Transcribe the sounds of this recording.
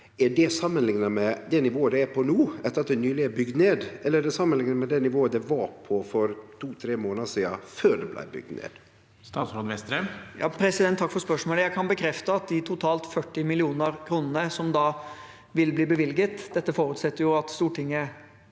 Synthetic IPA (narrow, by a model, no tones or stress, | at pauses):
æɖɛsɑmːənlɪŋnəmɛd̪ɛnɪʋoːəd̪ɛæpʰɔnuːɛt̪əɾɑt̪̚d̪ɛnyːlɪɛbʏɡd̪neːd̪ʔɛlːəɾɛɖɛsɑmːənlɪŋnəmɛd̪ɛnɪʋoːəd̪ɛʋɑɾpʰɔfɔɾt̪ʰuːt̪ʰɾeːmoːnəsiːd̪ɑføːɖɛblæ̰ɪbʏ̰ɡ̚d̪nḛːd̪̥ | st̪ɑːsɾod̪ʋɛst̪ɾɛmjɑ̰ːpʰɾɛsɪd̪ɛnt̪ʰːɑkːfɔɾspœʂmoːləjæɪkʰɑnbəkʰɾɛft̪əɑt̪̚d̪ɪt̪ʰʊt̪ʰɑːlt̪fœʈːɪmɪlɪuːnəɾkʰɾuːnənəsɔmd̪ɑː | ʋɪlbliːbəʋɪlɡət̪d̪̥ɛt̪ːəfɔːɾʉːt̪sɛt̪ːəɾjʊɑt̪st̪uːʈɪŋːə